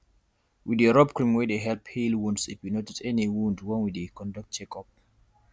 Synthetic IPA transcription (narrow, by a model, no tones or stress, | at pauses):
wideɹɔb̚kɹĩmwɛdeɦɛlphilwũndsitwinotitɛniwũndwɔ̃nwidekɔ̃ndɔk̚t̚t͡ʃɛkɔp̚